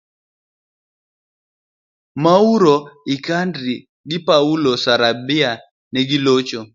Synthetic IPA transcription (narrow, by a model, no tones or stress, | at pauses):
mauɾoɪkandɾi | ɡɪpaulosaɾabɪa | nɛɡilot͡ʃo